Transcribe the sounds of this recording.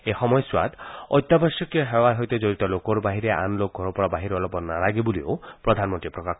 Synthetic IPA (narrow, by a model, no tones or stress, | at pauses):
exɔmɔjɔswa̰d̪ɔ̰jt̪ːabasjɔkeɦewaɾɦojt̪ed͡ʒoɾit̪ɔlokɔɾɔbaɦiɾeʔa̰nlokɔɾɔpɔɾɔbaɦiɾɔlɔpɔnalaɡebulio̰pɾɔd̪ʱanmɔnt̪ɾipɾɔkakʰ